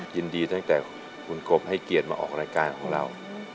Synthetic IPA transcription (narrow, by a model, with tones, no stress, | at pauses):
ji˧ndiː˧t̪a˥˩ŋt̪ɛː˨˩ | kʰu˧nko˨˧˩p̚ha˥˩jki˨˩ət̪̚maː˧ʔɔ̰ː˨˩k̚ɾaː˧jkaː˧nkʰɔː˩˦ŋɾa˧w